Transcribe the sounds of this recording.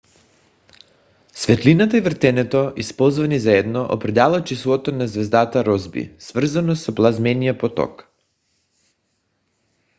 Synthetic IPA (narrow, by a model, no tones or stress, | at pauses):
svɛt̪linat̪aivr̩t̪ɛnɛt̪ɔʔispɔlˠzvanizaɛd̪nɔʔo̰pɾɛd̪alˠat͡ʃislˠɔt̪onazvɛzd̪at̪aɾɔzbḭsvr̩zanɔsɔplˠazmɛnijapɔt̪ɔ̰k